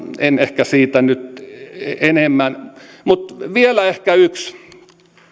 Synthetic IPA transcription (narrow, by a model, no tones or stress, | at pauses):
enehkæsiːt̪ænyt̪ | enemːænmut̪ʋielæehkæyks